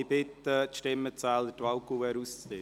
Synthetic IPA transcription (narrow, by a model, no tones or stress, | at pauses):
ɪb̥ɪt̪ət̪ʃtɪmːət͡sæːlətʋɑʊkuɛɾust͡ste